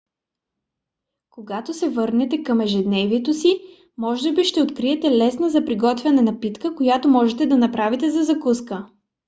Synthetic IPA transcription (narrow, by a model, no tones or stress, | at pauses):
koɡat̪osɛvɤɾnɛt̪ɛkɐmɛʒɛd̪nɛviɛt̪osi | mɔʒəbiʃt̪ɛot̪kɾiɛt̪ɛlɛsnəzɐpɾiɡɔt̪vʲjɐnɛnɐpit̪kəkojat̪omɔʒɛt̪ɛd̪ɐnɐpɾavit̪ɛzɐzɐkuskə